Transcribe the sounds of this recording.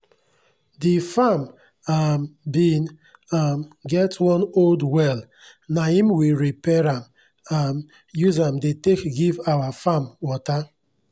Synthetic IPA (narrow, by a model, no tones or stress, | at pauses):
difam | ambĩn | amɡɛtwɔ̃noldwɛl | nahĩmwiɹipɛɹãm | am | juzãmdetekɡivawafamwɔta